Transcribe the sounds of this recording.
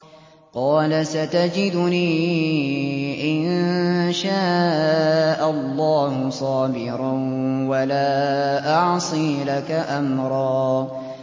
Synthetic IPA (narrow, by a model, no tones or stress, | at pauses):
qɑːlasat̪ad͡ʒɪd̪ʊniː | ʔɪnʃaː | ʔallˤːɑːhʊsˤɑːbɪɾawalaːʔɑʕsˤiːlakaʔamɾˤɑː